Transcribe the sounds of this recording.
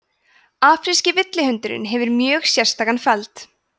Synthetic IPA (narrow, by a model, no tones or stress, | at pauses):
aːfɾiscɪvɪt̪lɪhʏnt̪ʏɾɪ̰nɦɛvʏɾmjœːɣsjɛr̥st̪aːkanfɛlt̪